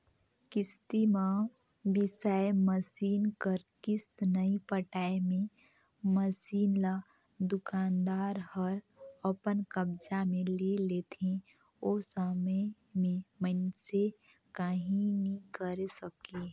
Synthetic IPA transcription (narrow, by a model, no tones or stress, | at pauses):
kɪst̪imã | bɪsaːjməsiːnkəɾkɪst̪nəipəʈaːemẽ | məsiːnla | d̪ʊkaːnd̪aːɾhəɾ | əpənkəbd͡ʒamẽleleːt̪ẽ | osəmə | mẽmənse | kaɦĩnĩkəɾesəkeː